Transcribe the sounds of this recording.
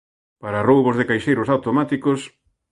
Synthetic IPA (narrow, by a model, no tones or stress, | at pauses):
paɾarowβozðɪkajʃejɾʊsawt̪omat̪ikos